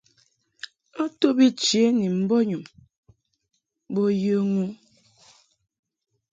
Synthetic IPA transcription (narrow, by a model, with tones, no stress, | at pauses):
ɔ˦to˦bi˦t͡ʃe˨˦ni˨m̩˦bɔ˦ɲu˨m | bo˦jə˦ŋu˦